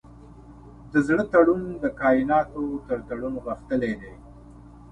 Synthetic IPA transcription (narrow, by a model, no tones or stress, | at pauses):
d̪əzɽət̪aɽund̪əkɑːjɪnɑt̪ot̪əɾt̪aɽunɣəxt̪əled̪e